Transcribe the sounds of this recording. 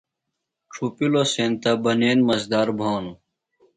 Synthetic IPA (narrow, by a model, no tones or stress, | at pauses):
ʈ͡ʂʰupilosẽnt̪ɐbɐneːnmɐzd̪aːɾbʱaːnu